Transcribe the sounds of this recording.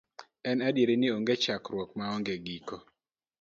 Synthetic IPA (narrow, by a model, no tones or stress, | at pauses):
ɛnadjeɾenɪoŋɡet͡ʃakɾwɔkmaɔŋɡeɡiko